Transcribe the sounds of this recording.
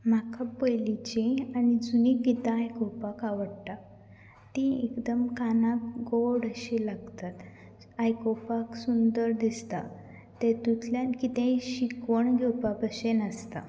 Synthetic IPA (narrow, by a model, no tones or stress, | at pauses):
m̤akapəjlit͡ɕĩanid͡zunikit̪ãajkowpakaʋəɽt̪a | t̪ĩekd̪əmkanakɡoɽəɕilaɡt̪at̪ | ajkopaksund̪əɾd̪ist̪a | t̪et̪ut̪ljãnkit̪ẽɕikʋəɳɡʱɛwpapəɕenəst̪a̰